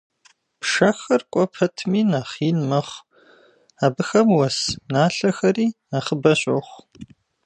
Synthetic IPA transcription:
pʂɐxɐrkʷʼɔpʰɐtʰmiːnaːχiːnmɐχ | aːbɨxɐmwɐsnaːɬɐxɐriːnaχəbɐɕʼoχʷ

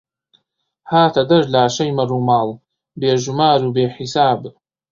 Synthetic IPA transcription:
haːtʰadɨrlaːʂajmarumaːl | beːʒumaːɾubeːħisaːb

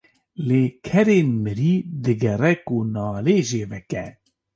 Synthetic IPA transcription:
leːkʰɛɾeːnmɨɾiːd̪ɨɡɛrɛkunɑːleːʒeːvɛkɛ

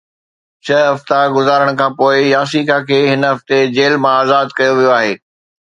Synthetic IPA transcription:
t͡ɕʰɐɦɐft̪aɡʊzaːɾəɽ̃kʰãːpoːɪjaːs̬ikʰakʰeːɦɪnɦɐft̪ed͡ʑeːlmãaːzaːd̪kɐjoʋijoaːɦeː

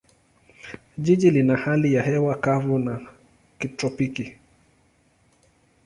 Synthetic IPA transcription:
ʄiʄilinahalijahɛwakavuna | kitɾɔpiki

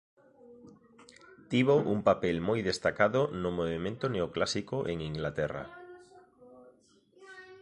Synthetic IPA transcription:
t̪iβ̞oʔuŋpapelmojðest̪akaðonomoβemẽnt̪oneoklasikoʔeŋiŋɡlat̪ɛra̰

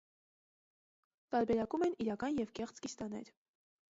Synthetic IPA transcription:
t̪ɑɾbɛɾɑkumɛniɾɑkɑnjɛvkɛχt͡skist̪ɑnɛ̰ɾ

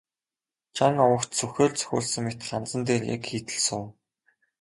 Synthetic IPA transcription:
t͡ɕʰaŋɔwə̆kt̪t͡sʰɵxʲoːɮt͡sʰœ̥xʲo̰ːɮsɵ̆ŋmet̪̆χant͡sə̆nt̪eːrja̰kxiːt̪ɘ̆ɮsʊː

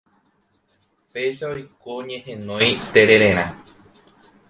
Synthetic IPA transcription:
pe̞jʃaojkoɲẽ̞hẽnõjt̪eɾe̞ɾẽɾ̃ã

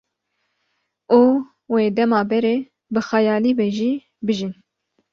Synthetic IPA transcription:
oː | weːd̪ɛmɑːbɛɾeː | bɨxɑjɑːliːbɛʒiː | bɨʒin

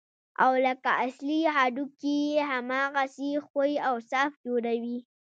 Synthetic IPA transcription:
a̰wləkaʔasliɦɑɖukijeɦamɑɣasexojawsɑfd͡ʒoɾawi

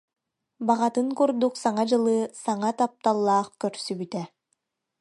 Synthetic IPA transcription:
baʁat̪ɯŋkuɾd̪uksaŋad͡ʑɯlˠɯːsaŋat̪ap̚t̪alˠːaːχkœɾsybyt̪ɛ

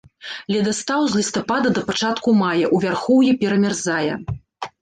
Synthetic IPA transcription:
lʲɛd̪ast̪awzʲlʲist̪apad̪ɐd̪ɐpat͡ʂat̪kumajɐʔuvʲarxɔwjɛpʲɛɾɐmʲarzajɛ̰

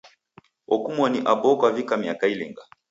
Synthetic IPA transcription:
ɔkumwɔniʔabɔkwavikamiakailɛŋɡa

